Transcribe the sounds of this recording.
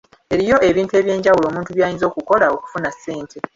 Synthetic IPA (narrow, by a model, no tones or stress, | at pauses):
e̞ɾijo̞ʔe̞βiːntue̞ːβje̞ːɲɟawulo̞ːmuːntuβjaːjinzo̞ːkuko̞laoku̥funasːe̞ːntʰe̞